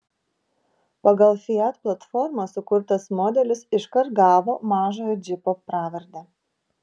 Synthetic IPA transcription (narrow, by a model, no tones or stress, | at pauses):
pɐɡɐlˠfʲɪɛt̪plˠɐt̪fɔɾmɐsʊkʊɾt̪ɐsmɔːd̪ʲɛlʲɪsɪʃkɐɾt̪̚ɡɑːʋoːmɑːʒoːjɔd͡ʒʲɪpopɾɑːʋʲɛɾʲd̪ʲæ